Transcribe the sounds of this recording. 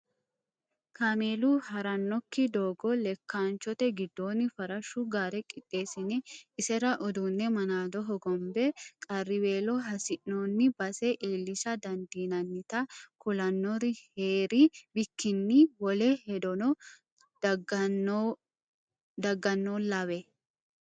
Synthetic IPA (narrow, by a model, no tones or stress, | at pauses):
kɐmeːluhɐɾɐnːɔkːɪd̪oːɡɔlɛkːaːnt͡ʃɔt̪ɛɡɪd̪ːo̞ːnːɪfɐɾɐʃːuɡaːɾɛkʼɪt̪ʼːe̞ːsɪnɛɪsɛɾɐʔɔd̪unːɛmɐnaːd̪ɔɦɔɡɔmbɛkʼɐrːɪwe̞ːlɔɦɐsɪʔːoːnːɪbɐsɛʔiːlːɪsɐd̪ɐnd̪iːnɐnːɪt̪ɐkʊlɐnːɔɾɪheːɾɪbɪkːɪnːiwɔlehɛd̪ɔnɔ | d̪ɐɡːɐnːonlɐβɛ